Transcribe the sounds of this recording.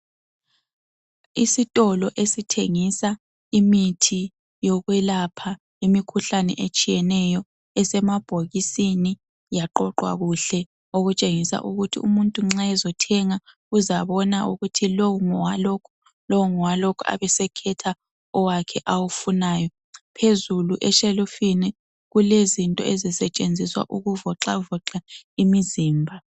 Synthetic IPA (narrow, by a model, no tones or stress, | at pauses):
isitʼɔlɔʔesitʰeŋisa | imitʰi | jɔɣwɛlapʰa | imikʰuɬanɛ̰ʔet͡ʃʼijɛnɛjɔ | ɛsɛmab̥ʱoɣisini | jaǃɔǃwa̰ɣuɬɛ | oɣut͡ʃʼeŋisa̰ʔuɣutʰḭumuntʼuŋ͡ǁaɛzɔtʰɛŋa | uzaβɔnaʔuɣutʰilowuŋɔwaloːkʰu̥ | lowuŋɔwalokʰua̰βɛsɛkʰɛtʰa | ɔwakʰɛʔawufunaːjɔ | pʰezuluʔɛʃelufinɛ | ɣulezintʼɔ̰ʔɛzisɛt͡ʃʼend͡zʱiswa̰ʔuɣuvɔǁavɔǁaimiziːmbʱa